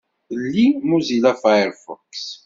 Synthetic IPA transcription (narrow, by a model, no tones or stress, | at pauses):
lːimuzilafajəɾfɔ̰ks